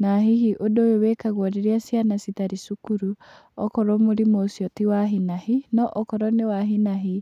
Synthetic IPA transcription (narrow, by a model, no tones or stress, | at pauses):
naɦihiʔodowewekaɣwɔɾeɾiasianasit̪aɾisukuɾu | ɔkɔɾɔmoɾimosiɔtiwaɦinahinɔʔɔkɔɾɔnewaɦinaɦi